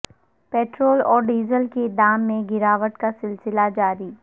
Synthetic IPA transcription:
peːʈɾoːlɔːɾɖiːzəlked̪aːmːẽɡɪɾaːʋəʈkasɪlsɪlad͡ʒaːɾiː

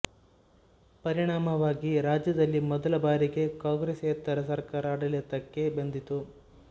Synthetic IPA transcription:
pɐɾiɳaːmɐʋaːɡiɾaːd͡ʒjɐd̪ɐlːimɔd̪ɐlɐbaːɾiɡe̞kaːŋɡɾesɐt̪ːɐɾɐsɐɾkaːɾɐːɽɐlit̪ɐkːe̞bend̪it̪u

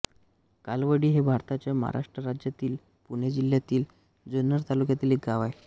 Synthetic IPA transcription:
kalʋəɽiːɦebʱaɾt̪at͡ɕjama̰ɦa̰ɾa̰ʂʈɾəɾad͡ʑjat̪iːl | puɳjed͡ʑiljat̪iːl | d͡zənəɾt̪alukjat̪iːlek̚ɡaʋaj

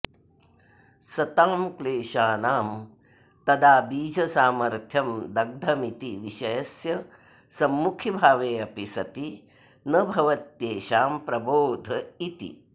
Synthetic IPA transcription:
sɐt̪aːmkleːʃaːnaːm | t̪ɐd̪aːbiːd͡ʒʱɐsaːmɐɾt̪ʰjɐmd̪ɐɡ̚d̪ʱɐmit̪iʋiʃɐjɐsjɐ | sɐmːukʰjibʱaːʋeːɐpisɐt̪i | nɐbʱɐʋɐt̪jeːʃaːmpɾɐboːd̪ʱɐit̪ḭ

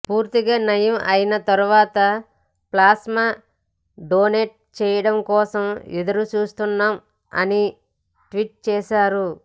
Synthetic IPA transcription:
puːɾt̪iɡaːnɐjɐmʔɐ̰jinɐt̪ɐɾuʋaːt̪ɐ | plaːsma | ɖoːneʈ̚t͡ʃɛːjɐɽɐmkɔːsɐmid̪ɐɾut͡ʃuːst̪unːaːm | ɐ̰ni | ʈʋiʈ̚t͡ʃɛːʃaːɾu

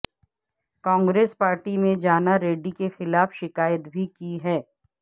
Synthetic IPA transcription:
kɔ̃ːŋɡɾeːspaːɾʈimẽd͡ʒaːnaɾeːɖikexɪlaːfʃɪkaːjət̪bʱikiɦɛː

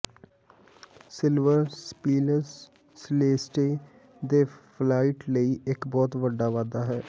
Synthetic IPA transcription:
sɪlʋəɾspiːləɾs | sleːsʈeː | d̪eːpʰlaːɪʈləiːɪkbɔːt̪ʋəɖːaːʋaːd̪aːɦɛː

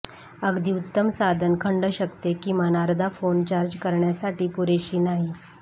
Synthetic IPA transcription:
əɡd̪ʱiːut̪ːəmsad̪ʱənkʰəɳɖəɕəkt̪ekim̤anaɾd̪ʱafont͡ɕaɾd͡ʑkəɾɳjasaʈiːpuɾeɕiːnaɦi

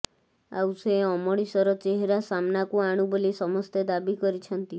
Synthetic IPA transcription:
a̰wseɔmɔɽisɔɾɔt͡ʃeɦeɾasamnakuaɽ̃ubolisɔmɔst̪ed̪abikɔɾit͡ʃʰɔnt̪i

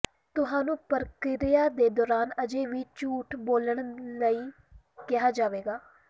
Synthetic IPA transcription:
t̪ʊɦaːnũːpəɾkɪɾɪjaːd̪eːd̪ɔːɾaːnəd͡ʒeːʋiːt͡ʃuːʈboːləɳ̃ləiː | kɪɦaːd͡ʒaːʋeːɡaː

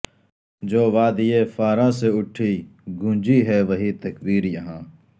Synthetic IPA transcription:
d͡ʒoːʋaːd̪ijefaːɾãseʊʈʰiɡʱũːd͡ʒiɦɛʋɐɦit̪ɐkbiːɾjɐɦãː

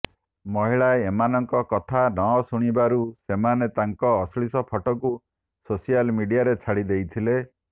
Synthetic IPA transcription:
mɔɦiɭaeemanɔŋkɔkɔt̪ʰanɔsuɽ̃ibaɾusemanet̪aŋkɔːsɭisɔpʰɔʈɔku | sosijalmiɖijaɾet͡ʃʰaɽid̪ejt̪ʰile

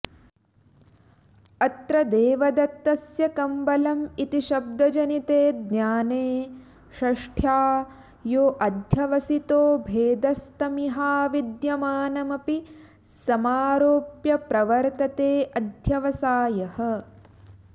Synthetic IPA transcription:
ɐt̪ɾɐd̪eːʋɐd̪ɐt̪ːɐsjɐkɐmbɐlɐmit̪iʃɐb̚d̪ɐd͡ʒɐnit̪eːd̪njaːneː | ʃɐʂʈʰjaː | joːʔɐd̪ʱjɐʋɐsit̪oːbʱeːd̪ɐst̪ɐmiɦaːʋid̪jɐmaːnɐmɐpi | sɐmaːɾoːpjɐpɾɐʋɐɾt̪ɐt̪eːʔɐd̪ʱjɐʋɐsaːjɐɦɐ̆

